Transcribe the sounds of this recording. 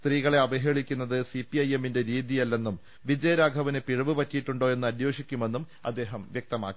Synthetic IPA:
st̪riːɣɐɭe̞ɐbɐɦeːɭikʲːunːɐðɨsipiɐje̞mːinde̞ɾiːðijɐlːe̞nːum | ʋid͡ʑɐjɐɾaːɡʱɐʋɐnɨpiɻɐʋɨpɐtːijiʈːuɳɖoːe̞nːɨɐd̪jo̞ːʂikʲːume̞nːum | ɐ̰d̪ːe̞ːɦɐmʋjek̚t̪ɐma̰ːkːi

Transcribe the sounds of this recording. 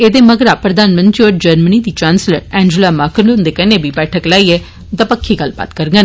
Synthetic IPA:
eːd̪eːməɡɾaːpɾəd̪aːnmə̃nt̪ɾioːʈ̚d͡ʒəɾməniːd̪iːt͡ʃãːnslə̰ɾɛ̃ːɲd͡ʒəlaːmaːkənlʊ̃nd̪eːkɛneːbʱiːbɛːʈʰəklaːiːɛː | d̪əpəkʰːiːɡəlːba̰ːt̪kəɾɡən

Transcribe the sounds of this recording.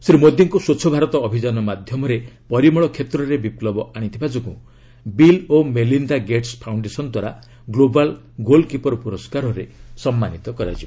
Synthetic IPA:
sɾimod̪jɔŋkusot͡ʃʰɔbʱaɾɔt̪ɔːbʱid͡ʒanɔmad̪ʱjɔmɔɾepɔɾimɔɭɔkʰet̪ɾɔɾebiplɔbɔaɽ̃it̪ʰibad͡ʒɔkũ | bilomelind̪aɡeʈspʰawɳɖesɔnɔd̪waɾa | ɡlobal | ɡolkipɔɾɔpuɾɔskaɾɔɾesɔmːanit̪ɔkɔɾa̰d͡ʒi

